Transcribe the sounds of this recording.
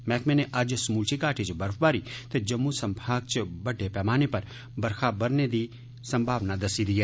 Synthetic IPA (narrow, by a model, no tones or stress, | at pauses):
mɛːkmẽneʔɐd͡ʒsmuːlt͡ʃʰikaːʈʰit͡ʃbɐɾfbaːɾit̪ed͡ʒɐmːusɐmbʱaːɡ̚t͡ʃbɐɖʱːepɛːmaːnepɐɾ | bɐɾkʰabɐɾned̪i | sɐmbʱaːʋnad̪ɐsid̪iɦeː